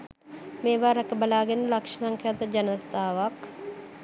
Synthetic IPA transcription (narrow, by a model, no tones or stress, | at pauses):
meːʋaːɾəkəbɐlaːɡenːəlakʂɐ̥saŋkʰjaːt̪əd͡ʒɐnət̪aːʋak